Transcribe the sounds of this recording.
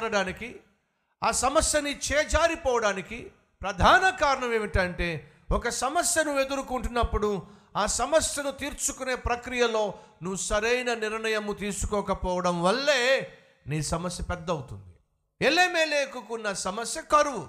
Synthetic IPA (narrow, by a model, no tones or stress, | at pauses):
ɾɐɽaːniki | aːsɐmɐsjɐnit͡ʃeːɐd͡ʒaːɾipɔːʋɐɽaːniki | pɾɐd̪ʱaːnɐkaːɾɐɳɐmeːʋiʈɐɳʈe̞ː | ɔkɐsɐmɐsjɐnuʋed̪uɾukuɳʈunːɐpːuɽu | aːsɐmɐsjɐnut̪iːɾt͡ʃukune̞ːpɾɐkɾijɐlo̞ːnuʋusɐɾɐjnɐniɾɳɐjɐmut̪iːsu̥kɔːkɐpɔːʋɐɽɐmʋɐlːe̞ː | niːsɐmɐsjɐpɛd̪ːɐwut̪und̪i | eleːmeːleːkukunːɐsɐmɐsjɐkɐɾuʋu